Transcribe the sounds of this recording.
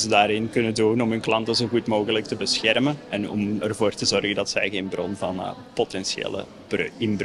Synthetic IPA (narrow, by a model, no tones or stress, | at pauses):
zədaːɾɪnkɵnəduːnɔmɦɵnklɑntəzoːɣutmoːɣələk̚təbəsxɛrmənɛnɔ̰mərvoːrtəzɔrɣəndɑtsɛjɣeːnbrɔnvɑn̰potɛnsjḛːlə̰ | bɪnb